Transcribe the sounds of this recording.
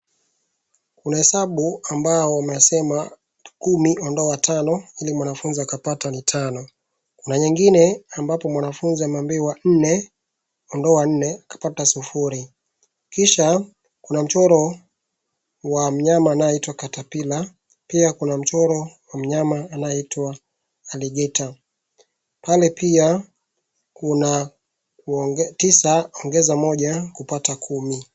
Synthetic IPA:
kunahɛsaɓuambaɔwamɛjasɛma | kumiʔɔndɔatanɔilimwanafunziakapatanitʰanɔ | kunaɲɛŋɡinɛambapɔmwanafunziamambiwan̩nɛ | ɔndɔan̩nɛakḁpatasufuɾi | kiʃa | kunam̩t͡ʃɔɾɔ | wam̩ɲamaːnajɔitwakatapila | piakunam̩t͡ʃɔɾɔwam̩ɲamaːnajɔitwaː | liɠɛta | palɛpia | kuna | ktisaɔŋɡɛzamɔʄakupatakʰumi

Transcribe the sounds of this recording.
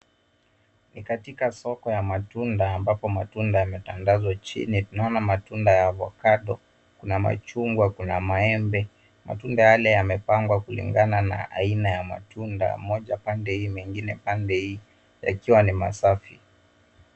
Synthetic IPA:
nikatikasɔkɔjamatundaːmbapɔmatundajamɛtanɡazwat͡ʃḭnitunaɔnamatundajavɔ̰kaɗɔ | kunama̰t͡ʃuŋɡwakunamaɛmbɛ | ma̰tundajalɛjamɛpaŋɡwakulḭŋɡanana̰ʔa̰inajama̰tʰunda̰mɔʄapandɛhiːmɛŋɡinɛpandɛhiː | ja̰kiwanima̰safi

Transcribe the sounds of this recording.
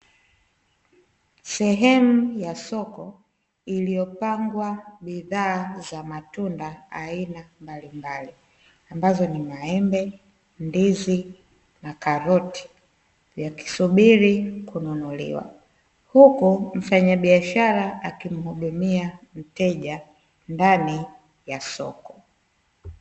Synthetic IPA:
sɛɦɛmujasɔkɔ | ilijɔpaŋɡwaɓiðaːzamatundaa̰inambalimbali | ambazɔnimaɛmbɛ | ndizi | nakaɾɔti̥ | vjaki̥suɓiɾikununulḭwa̰ | hukum̩faɲaɓiaʃaɾaakim̩huɗumiam̩tɛʄa | ndani | jasɔ̰kɔ̥

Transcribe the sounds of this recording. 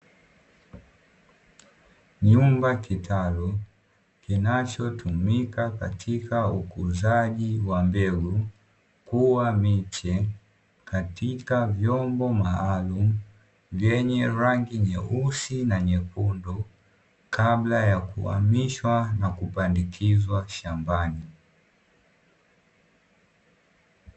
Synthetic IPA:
ɲumbakitʰalɔ | kinat͡ʃɔtʰumikaka̰tʰikaukuzaʄiwambɛɡu | kuwamit͡ʃɛ | katikavjɔmbɔmaalum̩ | vjɛɲɛɾaŋɡiɲɛusinaɲɛpundɔ | kʰablajakṵa̰miʃwanakupandikʰizwaʃambani

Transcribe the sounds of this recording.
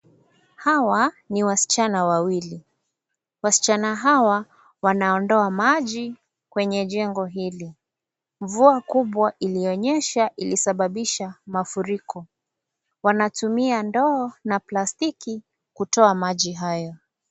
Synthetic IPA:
hawa | niwasi̥t͡ʃanawawili | wasi̥t͡ʃanaɦawa | wanaɔndɔamaʄi | kwɛɲɛʄɛŋɡɔɦili | ɱvuakuɓwaʔiliɔɲɛʃaʔilisaɓaɓiʃamafuɾikɔ | wanatumiandɔːnaplastiki | kutɔamaʄiɦajɔ

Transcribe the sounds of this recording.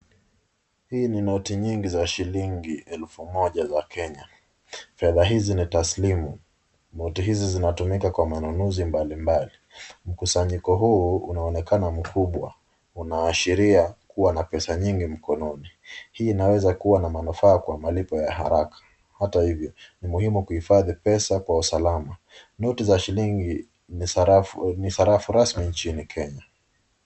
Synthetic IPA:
hiːninɔtiɲiŋɡizaʃiliŋɡiɛlfumɔʄazakʰɛɲa | fɛðaɦizinitaslimu | nɔtiɦizizinatumikakwamanunuzimbalimbalim̩kusaɲikɔɦuːunaɔnɛkanam̩kʰuɓwa̰ | unaːʃiɾiakuwanapɛsaɲiŋɡim̩kɔnɔni | hiːnawɛzakuwanamanufaːkwamalipɔjaha̰ɾakḁ | hatahivjɔnimuhimukuhifaðipɛsakwausalama | nɔtizaʃiliŋɡi | nisaɾafuɾasmint͡ʃinikʰɛɲa

